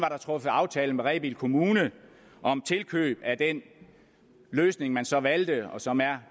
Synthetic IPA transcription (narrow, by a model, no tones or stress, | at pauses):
ʋɑ̈ɾ̥ɑ̈t͡sʰʁɔ̽fəɑ̈ʊt͡sʰɛːl̩meʁɛb̥ilkʰo̝muːnə | ʔɒ̽mt͡sʰe̝lkʰø̰ːb̥æd̥en | løːsne̝ŋmænsɒ̽ʋæld̥əɒ̽sɒ̽mæɐ